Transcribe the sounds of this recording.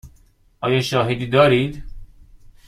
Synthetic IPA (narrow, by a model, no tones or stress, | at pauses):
ʔɒːjɒːʃɒːɦed̪iːd̪ɒːɾiːd̪